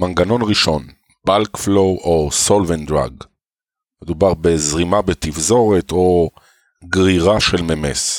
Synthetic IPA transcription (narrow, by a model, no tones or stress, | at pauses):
manɡano̞nʁiʃo̞n | b̥alkflo̞wʔoso̞lvend̪ʁa̰ɡ | medubaʁbe̞zʁimabet̪ifzo̞ʁet̪o̞ | ɡʁiʁaʃelmemḛs